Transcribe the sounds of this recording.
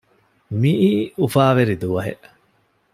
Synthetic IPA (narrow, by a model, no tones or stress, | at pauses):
miʔiːufaːʋeɾid̪uʋɐɦḛʔ